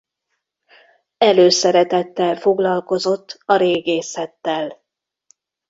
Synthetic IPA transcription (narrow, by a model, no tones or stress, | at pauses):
ɛløːsɛɾɛt̪ɛt̪ːɛlfo̞ɡlɒlko̞zo̞t̪ːɒɾeːɡeːsɛt̪ːɛl